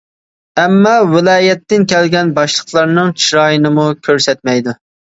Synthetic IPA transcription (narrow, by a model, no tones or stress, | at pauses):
ɛmːɑwɪlˠɑːjɛt̪ːɪnkʲʰɛlɡʲɛnbɑʃlˠəqlˠɑɾnɨŋt͡ʃʰiɾɑːjinɨmukʲʰøɾsɛt̪̚mɛjd̪u